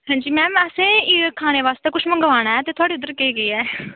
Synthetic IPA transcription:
ɦãːɲd͡ʒiːmɛ̃ːəsẽːkʰaːñeːʋaːst̪eːkʊʃʰmə̃ŋɡʋaːñaːɛːt̪eːt̪ʊaːɽiːʊd̪əɾkeiːɡəiːɛː

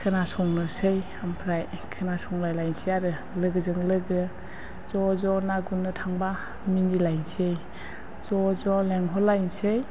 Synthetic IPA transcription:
kʰɯnasɔŋnɯsɯj | ampʰɾaj | kʰɯnasɔŋlajlajnsijaɾɯ | lɯɡɯzɯŋlɯɡɯ | z̥ɔzɔnaɡunːɯtʰaŋba | minilajnsej | z̥ɔzɔleŋɦɔlajnsej

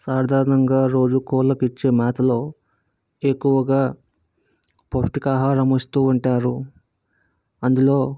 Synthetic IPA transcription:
saːɾd̪ʱaːɾɐnɐŋɡaːɾo̞ːd͡ʒukoːlɐkit͡ʃːe̞ːmaːt̪ʰɐlo̞ː | ekːuʋɐɡaː | posʈikaːɦaːɾɐmɐst̪uːuɳʈaːɾu | ɐnd̪ulo̞ː

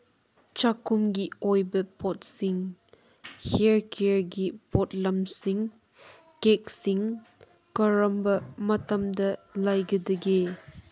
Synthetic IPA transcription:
t͡ʃakumɡiɔjbɐpɔt̚siŋ | heɹkʰeɹɡipɔtlɐmsiŋ | kek̚siŋ | kɐɾɐmbɐmɐtɐmdɐlajɡɐdɐɡe

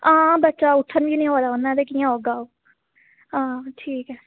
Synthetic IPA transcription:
ãːbətːt͡ʃaːʊʈʰːənbiːnĩːɦoːd̪aːonːãːd̪ekijãːɦoːɡaːoː | ãːʈʰiːkɛː

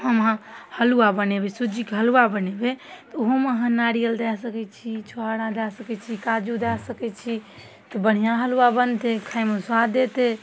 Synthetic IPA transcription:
həmɦãhəluabənebesud͡ʒikeɦəluabənebet̪ɔoɦomeɦə̃naɾijəld̪ɛsəkɛt͡ʃʰit͡ʃʰoaɽãd̪ɛsəkɛt͡ʃʰikad͡ʒud̪ɛsəkɛt͡ʃʰi | t̪ɔbəɽ̤ijãɦəluabənt̪ekʰajmoswad̪et̪e

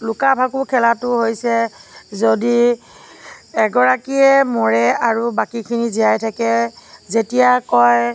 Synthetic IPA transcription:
lʊkabʱakukʰɛlatʊɦojsɛzodi | ɛɡɔɹakiɛmɔɹɛaɹubakikʰiniziajtʰakɛzetijakɔj

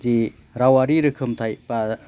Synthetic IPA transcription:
di | ɾawaɾiɾɯkʰɯmtʰajpa

